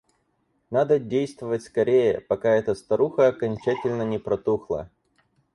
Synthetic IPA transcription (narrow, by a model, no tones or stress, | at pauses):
nad̪ədʲejst̪vəvətʲskɐɾʲejə̰pɐkaɛt̪əst̪ɐɾuxəɐkɐnʲt͡ɕætʲɪlʲnənʲɪpɾɐt̪uxlˠə̰